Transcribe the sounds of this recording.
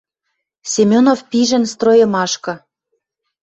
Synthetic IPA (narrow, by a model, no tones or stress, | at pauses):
sʲemʲonofpiʒɘ̆nst̪rojɤ̆mɑʃkɤ̆